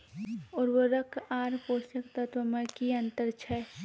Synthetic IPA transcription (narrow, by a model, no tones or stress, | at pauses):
ɔːɾʋoɾɐkʰaːɾpoːʃəkt̪ɐt̪ʋəməkiɐ̃nt̪əɾt͡ʃʰɛ